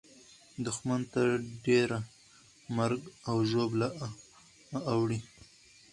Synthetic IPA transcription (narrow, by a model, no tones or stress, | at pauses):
d̪ʊxmant̪aɖeɾa | maɾɡawʒobla | wɽi